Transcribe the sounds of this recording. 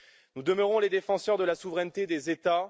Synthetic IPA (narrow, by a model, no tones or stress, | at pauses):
nud̪əməʁɔ̃led̪efɑ̃sœʁd̪əlasuvʁɛnt̪ed̪ezet̪a